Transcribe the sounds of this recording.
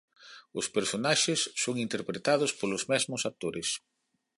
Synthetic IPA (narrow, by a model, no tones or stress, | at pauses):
ʊspeɾsonaʃɪsːoŋint̪eɾpɾet̪aðʊspolʊzmɛzmʊsat̪oɾɪs